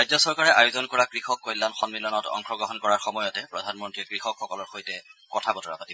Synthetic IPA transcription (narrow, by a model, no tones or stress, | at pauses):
ajzɔsɔɹkaɹɛʔajozɔnkɔɹakɹixɔkːɔjlːanxɔnmilɔnɔtɔ̰ŋxɔɡɹɔɦɔnkɔɹaɹxɔmɔjɔtɛpɹɔdʱanmɔntɹiɛkɹixɔkxɔkɔlɔɹxojtɛkɔtʰabɔtɔɹa̰patib